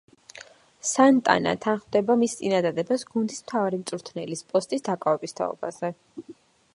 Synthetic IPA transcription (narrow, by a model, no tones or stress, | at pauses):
sant̪ʼa̰na̰t̪ʰanχmd̪ɛbamist̪sʼinad̪ad̪ɛbasɡund̪ismt̪ʰavaɾimt̪sʼuɾt̪ʰnɛlispʼɔst̪ʼisd̪akʼavɛbist̪ʰa̰ɔ̰ba̰z̥ɛ